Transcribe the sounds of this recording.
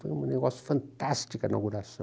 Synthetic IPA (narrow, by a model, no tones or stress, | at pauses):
fojumneɣɔsju̥fɐ̃nt̪ast͡ʃ̪ikɐnaɣuɾasɐ̃